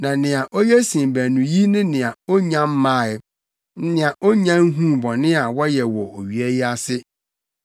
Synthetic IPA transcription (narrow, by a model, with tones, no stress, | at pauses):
nã˨nɪ̃˨a˨ʔo˦jɛ˦sĩ˨m˨bæ˨nũ˨ji˦nɪ̃˦nɪ̃˨a˨o˦ɲã˦m̩˦mã˦˨ɛ˨ | n̩˦nɪ̃˨a˨ʔo˦ɲã˦n˦ɦũ˦bɔ˨nɪ̃˦a˨wɔ˦jɛ˨wɔ˨ʔo˨ɥi˨ɛ˦ji˦a˦sɪ˦